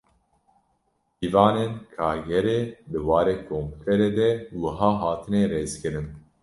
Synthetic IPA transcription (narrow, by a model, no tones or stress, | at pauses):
iːvɑːnenkʰaːɡɛɾeːb̪ɨwɑːɾeːkʰompt̪ʰɛɾeːd̪ɛwɨɦɑːɦɑːt̪ʰɨnɛɾeːzkɨɾɨn